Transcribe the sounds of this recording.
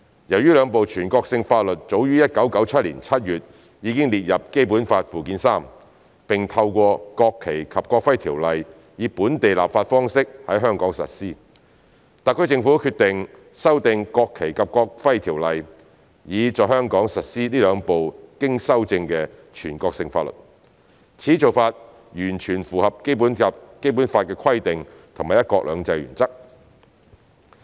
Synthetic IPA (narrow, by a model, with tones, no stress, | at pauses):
jɐ˨˩wjyː˥lœː˨˧ŋpo˨wt͡ʃʰyː˨˩nkɔː˧k̚sɪ˧ŋfaː˧t̚lɵ˨t̚t͡ʃt͡so˨˥wjyː˥jɐ˥t̚kɐ˨˥wkɐ˨˥wt͡sʰɐ˥t̚liː˨˩nt͡sʰɐ˥t̚jyː˨t̚ | jiː˨˧kɪ˥ŋliː˨t̚jɐ˨p̚ke˥jpuː˨˥nfaː˧t̚fuː˨kiː˨˥nsaː˥m | pɪ˨ŋt̪ʰɐ˧wkʷɔː˧kɔː˧kʰːe˨˩jkʰɐ˨p̚kɔː˧k̚fɐ˥jt̪ʰiː˨˩wlɐ˨j | jiː˨˧˥puː˨˥nt̪e˨jla̰ː˨p̚faː˧t̚fɔː˥ŋsɪ˥k̚hɐ˨˥jɦœː˥ŋkɔː˨˥ŋsɐ̰˨t̚siː˥ | t̪ɐ˨kʰːt͡sɪ˧ŋfuː˨˥kʰyː˧t̪ɪ˨ŋ | sɐ˥wt̪ɪ˨˧ŋkɔː˧kʰːe˨˩jkɐ˨p̚kɔː˧k̚fɐ˥jt̪ʰiː˨˩wlɐ˨j | jiː˨˧t͡sɔː˨˩hœː˥ŋkɔː˨˥ŋsɐ˨t̚siː˥liː˥lœː˨˧ŋpo˨wkɪ˥ŋsɐ˥wt͡sɪ˧ŋkɛː˧t͡ʃʰyː˨˩nkɔː˧k̚sɪ˨ŋfaː˧t̚lɵ̰˨t̚ | t͡sʰiː˨˥t͡so˨wfaː˧t̚ | jyː˨˩nt͡ʃʰyː˨˩nfuː˨hɐ˨p̚ke˥jpuː˨˥n˨ke˥jpu˨˥nfaː˧t̚kɛː˧kʰɐ˥jt̪ɪ˨ŋ | t̪ʰʊ˨˩ŋmaː˨˩jɐ˥t̚kɔː˧k̚lœ̰ː˨˧ŋt͡sɐ˧jɥy̰ː˨˩nt͡sɐ˥k̚